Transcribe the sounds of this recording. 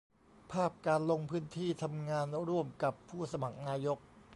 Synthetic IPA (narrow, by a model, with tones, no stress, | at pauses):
pʰaː˥˩p̚kaː˧nlo˧ŋpʰɯː˦˥nt̪ʰiː˥˩t̪ʰa˧mŋaː˧nɾu˥˩əmka˨˩pʰːuː˥˩sa˧ma˨˩k̚naː˧jo˦˥k̚